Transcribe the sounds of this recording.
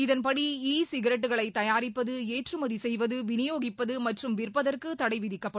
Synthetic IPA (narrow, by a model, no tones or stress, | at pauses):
ɪðɐnpɐɽiiːsɪɣɐɾɐʈ̬ːɯɣɐɭɐɪt̪ːɐjaːɾɪpːɐðɯeːʈrɯmɐðisɛjʋɐðɯʋɪnɪjoːɣɪpːɐðɯmɐʈrɯmʋɪrpːɐðɐrkɯt̪ɐɽɐɪʋɪðɪkːɐpːɐɽ